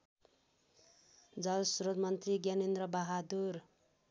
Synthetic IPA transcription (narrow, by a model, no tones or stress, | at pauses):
d͡zʌlsuɾod̪mʌnt̪riɡjanend̪ɾʌbaɦad̪ur